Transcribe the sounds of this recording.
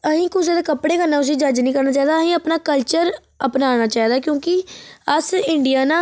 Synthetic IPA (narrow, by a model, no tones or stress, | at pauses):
əɦĩːkʊs̬eːd̪eːkəpɽeːkənaːʊs̬iːd͡ʒəd͡ʒnĩːkəɾnaːt͡ʃaːiːd̪aːɦĩːəpnaːkəlt͡ʃəɾ | əpnaːnaːt͡ʃaːiːd̪aːkjõːkɪəsɪɳɖijaːnaː